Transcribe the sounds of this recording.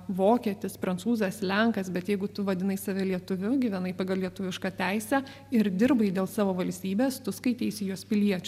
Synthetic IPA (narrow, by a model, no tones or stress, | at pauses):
ʋoːkʲiɛt̪ʲɪspɾɐnt̪suːzɐslʲɛŋkɐsbʲɛt̪jɛɪɡʊt̪ʊʋɐd̪ʲɪnɐɪsɑʋʲɛlʲiɛt̪ʊʋʲʊɡʲiːʋʲɛnɐɪpɑːɡɐlˠlʲiɛt̪ʊʋʲɪʃkɑːt̪ʲæɪsʲæ | ɪɾd̪ʲɪɾbɐɪd̪ʲeːlˠsɑːʋoːʋɐlʲsʲt̪ʲiːbʲeːst̪ʊskɐɪt̪ʲeɪsʲɪjuːspʲɪlʲiɛt͡ʃʲʊ